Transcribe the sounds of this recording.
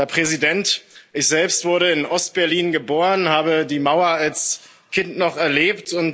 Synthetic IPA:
hɛɐpʁ̥ɛzidɛntʔɪçz̥ɛlpstv̥ʊɐɾəɪnʔɔst̚b̥ɛɐliːnɡəboːʁənhaːbədiːmaʊɐals | kʰɪntnɔχɛɐleːptʰʊnt

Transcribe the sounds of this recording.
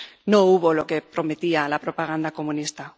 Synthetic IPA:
no̞uβo̞lo̞ke̞pɾo̞me̞t̪ialapɾo̞paɣ̞and̪ako̞mũnist̪a

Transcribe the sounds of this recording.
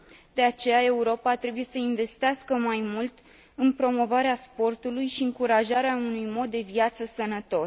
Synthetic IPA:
d̪e̞at͡ʃe̞jae̞uɾo̞pat̪ɾe̞buje̞səinve̞st̪easkəmajmult̪ | ɨnpɾo̞mo̞vaɾeaspo̞rt̪ulujʃiɨŋkuɾaʒaɾeaunujmo̞t̪̚d̪e̞viat̪səsənət̪o̞s

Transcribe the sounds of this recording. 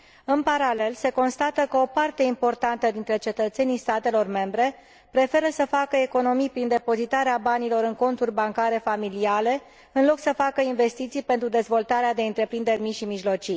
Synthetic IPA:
ɨnpaɾale̞lse̞ko̞nst̪at̪əkəo̞part̪e̞impo̞rt̪ant̪əd̪int̪ɾe̞t͡ʃe̞t̪ət̪se̞nist̪at̪e̞lo̞rme̞mbɾe̞ | pɾe̞fe̞ɾəsəfakəe̞ko̞no̞mijpɾind̪e̞po̞zit̪aɾeabanilo̞ɾɨŋko̞nt̪urʲbaŋkaɾe̞familiale̞ | ɨnlo̞ksəfakəinve̞st̪it̪sijpe̞nt̪ɾud̪e̞zvo̞lt̪aɾead̪e̞ɨnt̪ɾe̞pɾind̪e̞rʲmiʃimiʒlo̞t͡ʃi

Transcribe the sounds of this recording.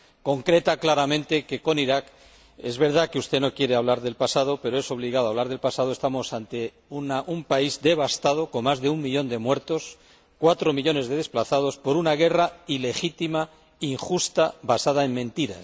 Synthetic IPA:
ko̞ŋkɾe̞t̪aklaɾamẽ̞nt̪e̞ke̞ko̞niɾak | ezβe̞ɾð̞akeust̪e̞no̞kje̞ɾeaβ̞laɾðe̞lpasaðo̞pe̞ɾoe̞so̞β̞liɣaðoaβlaɾðe̞lpasaðo̞e̞st̪amo̞sant̪e̞ | unaʔumpaizd̪e̞βast̪að̞o̞ko̞nmazðe̞uŋmiʎo̞nd̪e̞mwe̞ɾt̪o̞s | kwat̪ɾo̞miʎo̞ne̞zðe̞ð̞e̞splaθaðo̞spo̞ɾunaɣ̞e̞raile̞xit̪ima | iŋxust̪aβasaðae̞mmẽ̞nt̪iɾa̰

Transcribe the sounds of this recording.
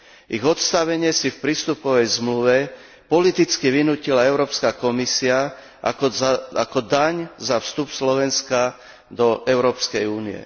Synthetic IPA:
iɣɔt̪st̪aʋɛɲɪɛsifpɾiːst̪upɔʋɛjzmluʋɛ | pɔlit̪it͡skiʋinuːcilaɛʊɾɔːpskakɔmisia | ʔa̰ka̰kɔd̪aɲzafst̪upslɔʋɛnska | d̪ɔʔɛʊɾɔːpskɛjuːniɛ̰

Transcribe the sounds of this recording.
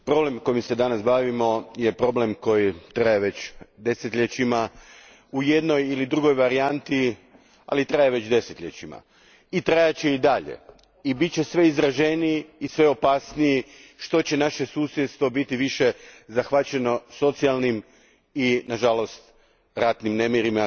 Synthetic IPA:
pɾo̞ble̞mko̞imse̞d̪anasbaːʋimo̞je̞pɾo̞ble̞mko̞jit̪ɾajeʋe̞t͡ɕd̪e̞set̪ʎet͡ɕima | ujed̪no̞jilid̪ɾuɡo̞jʋaɾiant̪i | a̰lit̪ɾajeʋe̞t͡ɕd̪e̞set̪ʎʲet͡ɕima̰ | it̪ɾajat͡ɕe̞id̪aʎḛ | ibit̪̚t͡ɕe̞sʋe̞izɾaʒe̞niiːsʋe̞o̞pasnijiʃt̪o̞t͡ɕe̞naʃe̞suːsjet̪st̪ʋo̞bit̪iʋiʃe̞zaxʋat͡ɕe̞no̞so̞t̪sialˠnim | inaʒalo̞st̪ | ɾat̪nimne̞miɾima

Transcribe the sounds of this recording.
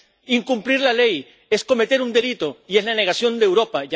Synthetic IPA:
iŋkumpliɾlale̞j | esko̞met̪e̞ɾund̪e̞lit̪o̞ie̞zlane̞ɣ̞asjo̞nd̪eːwɾo̞paʝ

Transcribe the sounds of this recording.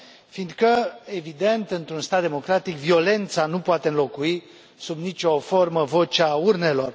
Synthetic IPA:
find̪kəe̞vid̪e̞nt̪ɨnt̪ɾunst̪ad̪̚d̪emo̞kɾat̪ikvio̞le̞nt̪sanupoat̪eɨnlo̞kui | subnit͡ʃʲo̞fo̞rməvo̞t͡ʃaurne̞lo̞r

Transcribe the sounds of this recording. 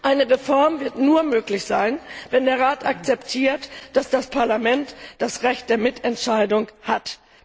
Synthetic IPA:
ʔaɪnəʁefɔɐmvɪɐtnuːɐmøːklɪçz̥aɪnvɛndeːɐʁaːtʔak̚t͡sɛptʰiːɐtd̥asd̥aspʰaɐlamɛntd̥asʁɛçt̚d̥eːɐmɪtɛntʃaɪdʊŋhat

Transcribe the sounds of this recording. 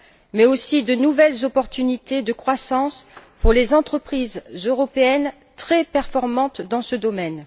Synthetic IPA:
mɛosid̪ənuvɛlzɔpɔʁt̪ynit̪ed̪əkχwasɑ̃spuʁlezɑ̃t̪χəpχizøʁɔpeɛn | t̪χɛpɛʁfɔʁmɑ̃t̪d̪ɑ̃səd̪ɔmɛn

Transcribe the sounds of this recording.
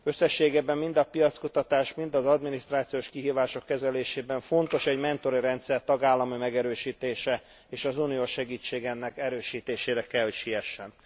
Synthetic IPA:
ø̞sːɛʃːeːɡeːbɛmːind̪ɒpijɒt̪skut̪ɒt̪aːʃmind̪ɒzɒd̪minist̪raːt̪sijoːʃkiɦiːvaːʃo̞kːɛzɛleːʃeːbɛɱfo̞nt̪o̞ʃɛɟmɛnt̪o̞ɾiɾɛnt̪sɛrt̪ɒɡaːlːɒmymɛɡɛɾøːʃiːt̪eːʃɛ | eːʃɒzuːnijoːʃɛɡiːt͡ʃːeːɡɛnːɛkɛɾøːʃiːt̪eːʃeːɾɛkɛlho̞cʃijɛʃːɛn

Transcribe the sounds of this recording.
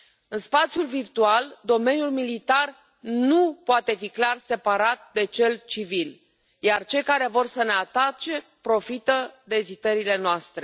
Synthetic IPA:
ɨnspat̪sjulvirt̪uald̪o̞me̞nʲjulmilit̪ar | nupoat̪e̞fiklarse̞paɾat̪̚d̪e̞t͡ʃe̞lt͡ʃivil | jart͡ʃe̞jkaɾe̞vo̞rsəne̞at̪at͡ʃe̞pɾo̞fit̪əd̪e̞zit̪əɾile̞noast̪ɾe̞

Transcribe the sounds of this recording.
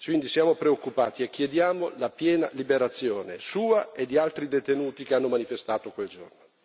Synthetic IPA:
kwind̪isjaːmopɾeokːupaːt̪iekːjed̪jaːmolapjɛːna̰libeɾat̪sːjoːnḛsuːaed̪ːialt̪ɾid̪et̪enuːt̪ikeanːomanifest̪aːt̪okweld͡ʒo̰rno

